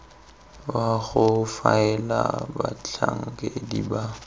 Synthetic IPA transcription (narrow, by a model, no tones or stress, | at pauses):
baɣʊfaɛlabat͡ɬʰaŋ̩kʼediba